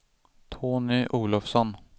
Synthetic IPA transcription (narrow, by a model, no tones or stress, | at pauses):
t̪ʰoːnɪʔuːlɔfsɔn